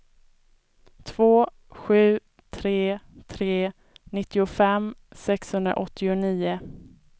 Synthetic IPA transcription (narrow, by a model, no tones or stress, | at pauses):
t̪ʰv̥oː | ɧʉ̟ː | t̪ʰɾeːt̪ʰɾeː | nɪt̪ːɪʊfɛmsɛkshɵnd̪ɾa̰ʔɔt̪ʰːɪʊniːʊ